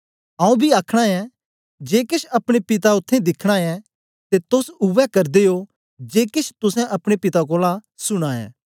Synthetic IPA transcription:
ɐ̃ũbʱiaːkʰɽ̃aɛ̃ | d͡ʒeːkɪt͡ʃʰɐpɽ̃epɪt̪aʊt̪ʰːɛ̃d̪ɪkʰɽ̃aɛ̃ | t̪et̪ʊsʊʋɛkɐɾd̪eo | d͡ʒeːkɪt͡ʃʰt̪ʊsɛ̃ʔɐpɽ̃epɪt̪ak̬oːla | sʊɽ̃aːɛ̰̃ː

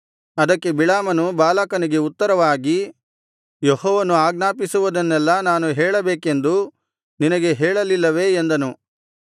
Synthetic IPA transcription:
ɐd̪ɐkːe̞biɭaːmɐnubaːlaːkɐniɡe̞ut̪ːɐɾɐʋaːɡi | jehɔːʋɐnuaːɡ̚naːpisuʋɐd̪ɐnːɛlːɐnaːnuɦeːɭɐbeːke̞nd̪u | ninɐɡe̞ɦeːɭɐlilːɐʋe̞ːnd̪ɐnu

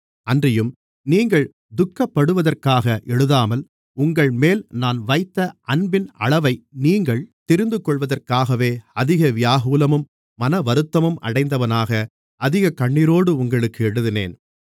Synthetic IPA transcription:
ɐndrɪjɯm | niːŋɡɐɭ | d̪ʊkːɐpːɐɽɯʋɐðɐrkaːɣɐʔɛɽɯðaːmɐl | ʊŋɡɐɭmeːlnaːnʋɐɪt̪ːɐʔɐnbɪnɐ̰ɭɐʋɐɪniːŋɡɐɭt̪ɪɾɯnd̪ɯkːɔɭʋɐðɐrkaːɣɐʋeːɐðɪɣɐʋɪjaːɣuːlɐmɯmː | ɐnɐʋɐɾɯt̪ːɐmɯmʔɐ̰ɽɐɪnd̪ɐʋɐnaːɣɐ | ʔɐðɪɣɐkɐɳːiɾoːɽɯʊŋɡɐɭɯkːɯɛɽɯðɪnḛːn

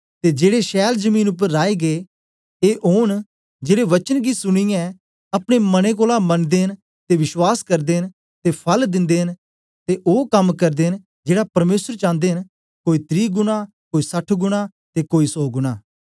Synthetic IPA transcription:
t̪eːd͡ʒeːɽeʃɛːlzəmĩːnʊp̬ːəɾːaːeɡeː | eːʔoːɳ | d͡ʒeːɽeʋət͡ʃənɡisʊɽ̃ijɛ̃ | ɐpɽ̃eməɽ̃ẽːkoːlaːmɐnd̪eːɦən | t̪eːʋɪʃwaːskɐɾd̪eːɦɪn | t̪eːpʰɐld̪ɪ̃nd̪eːɦɪn | t̪eːʔoːkɐmkɐɾd̪eːɦɪn | d͡ʒeːɽapɐɾmeːsəɾt͡ʃãːnd̪eːɦɪn | koːiːt̪ɾiːɡʊnaː | koːisəʈʰɡʊɽ̃aː | t̪eːkoːiːsɔːɡʊñaː

